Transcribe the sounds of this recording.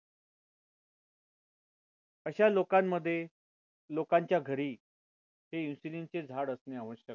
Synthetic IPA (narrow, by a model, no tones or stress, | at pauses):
əɕalokamːəd̪ʱːje | lokaɲt͡ɕjaɡʱəɾiː | heisilint͡sed͡zʱaɽəsneəʋəɕjək̚